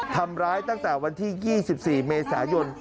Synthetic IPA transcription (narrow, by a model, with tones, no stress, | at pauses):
t̪ʰa˧mɾaː˦˥jt̪a˥˩ŋt̪ɛː˨˩wa˧nt̪ʰiː˥˩jiː˥˩si˨˩p̚siː˨˩meː˧saː˩˦jo˧n